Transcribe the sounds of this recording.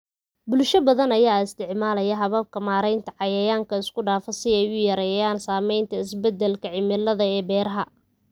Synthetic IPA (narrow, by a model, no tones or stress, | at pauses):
bʊlʃɐbɐðɐnɐjaːɪst̪ʰɪʕmaːlɐjɐɦɐβɐb̚kʰɐmaːɾɛjnt̪ʰɐʕɑjɐjaːŋkʰɐɪskʰʊɖaːfɐsɪɛjʊjɐɾɛːjaːnsaːmɛjnt̪ʰɐɪsbɛd̪ɛlkʰɐʕɪmɪlɐðɐɛːbɛːɾɐɦɐ